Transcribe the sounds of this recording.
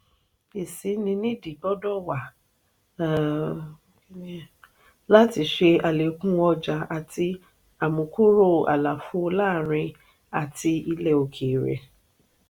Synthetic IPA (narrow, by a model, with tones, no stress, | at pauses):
e˨si˨˦nĩ˧nĩ˦di˨bɔ˦dɔ˦wa˨˦ | la˦ti˧˨ʃe˧a˨le˨˦kũ˦wɔ˧d͡ʒa˨˦a˨ti˧ | a˨mũ˨ku˦ɾo˦˨a̰˨la˨fu˧˦˧laː˦˨ɾĩ˧ | a˨ti˧i˧lɛ˦˨o˨kʰe˨ɾḛ˨